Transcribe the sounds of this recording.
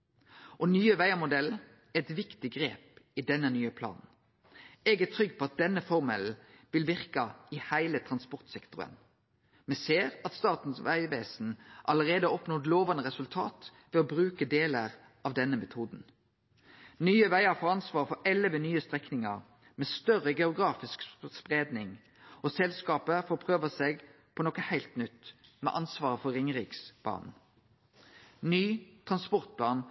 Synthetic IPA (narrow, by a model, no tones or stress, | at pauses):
ʔɔnyːəʋæɪəmʊd̪ɛl | æɛt̪ʋɪkt̪ɪɡʁeːpɪd̪ɛnːənyːəpʰlɑ̰ːnn̩ | ɛːɡæt̪ʰɾʏɡːpʰɔɑt̪̚d̪ɛnːəfɔʁmɛl̩ʋɪlʋɪʁkəɑɪhæɪlət̪ʰʁɑnspɔʁt̪sɛkt̪ʁʊ̰ə̰n | mɛseːʁɑt̪st̪ɑːt̪n̩sʋæɪʋeːsn̩ʔɑləʁeːd̪əɔpnɔːd̪loːʋɑnəʁɛsʉlt̪ʰɑ̰ːt̪ʋɛɔbɾʉːkəd̪eːləʁ | ɑʋd̪ɛnːəmɛt̪ʰuːd̪n̩ | nyːəʋæɪəʁfɔʁɑnsʋɑːʁfɔʔɛləʋənyːəst̪ʁɛknɪŋɑʁ | mɛst̪œʁəɡɛʊɡɾɑːfɪskspʁeːd̪nɪŋ | osɛlskɑːpəfɔːpʰʁøːʋəseɡ | pʰɔnɔkəhæɪlt̪nʏt̪ːmɛ̰ʔɑnsʋɑːʁəfɔʁɪŋʁɪksb̥ɑ̰ːnn | nyːt̪ʰʁɑnspɔʁt̪̚pʰlɑːn